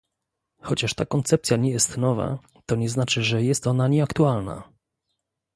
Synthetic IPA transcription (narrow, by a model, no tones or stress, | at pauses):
xɔt͡ɕaʂt̪akɔnt̪sɛp̚tsʲjaɲɛjɛst̪nɔva̰ | t̪ɔɲɛznat͡ʂɘʐɛjɛst̪ɔnaɲɛakt̪ualna̰